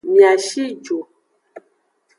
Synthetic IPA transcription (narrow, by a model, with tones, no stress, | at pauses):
mi˨a˨ʃi˦d͡ʒo˨